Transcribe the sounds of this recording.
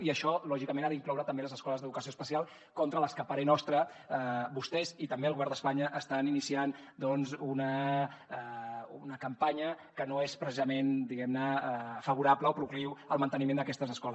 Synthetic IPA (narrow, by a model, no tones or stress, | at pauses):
iəʃɔlɔʒikəmenaðiŋklɔwɾət̪əmbeləzəskɔləzðəðukəsiospəsialˠ | kɔnt̪ɾələskəpaɾenɔst̪ɾə | bust̪ɛzit̪əmbeəlɣuβɛɾnd̪əspaɲəʔːst̪aninisiand̪ɔnzunə | unəkəmpaɲəkənoespɾəsizəmend̪iɣɛmnəfəβ̞uɾapləɔpɾukliwəlˠmənt̪ənimend̪əkɛst̪əzəskɔlə